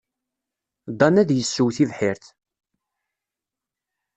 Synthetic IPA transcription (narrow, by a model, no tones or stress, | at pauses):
d̪ˤɑnæðjəsːuwθivħɪɾθ